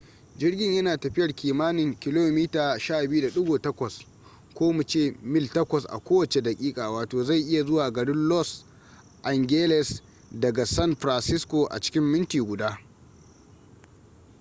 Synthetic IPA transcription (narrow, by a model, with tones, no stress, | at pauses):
d͡ʒɪ˦rɡʲɪ˦ɲjɐ˦naː˨tɐ˨ɸɪ˦jɐ˨rkʲiː˨maː˦nɪ˨ŋkʲɪ˦loː˦miː˦taː˨ʃaː˦˨bɪ˦u˦da˨ɗʊ˦ɡoː˨tɐ˦kʷɐ˨s | kʷoː˦mu˨t͡ʃeː˦˨mɪ˦ltɐ˦kʷɐ˨sʔa̰˨kʷoː˦wɐ˨t͡ʃe˨dɐ˨kʲʼiː˦kʼaː˨waː˨toː˨za˦˨jʔɪ˦ja˨zʊ˦waː˨ɡɐ˨ɽɪ˦nlɔ˦s | ʔa˨ŋɡʲe˦lɛ˨s | dɐ˨ɡa˨sɐ˦nɸɾa˨nsɪ˦skʷo˨ʔa̰˨t͡ʃɪ̥˦kʲɪ˦mːɪ˦ntiː˨ɡʷʊ˨daː˦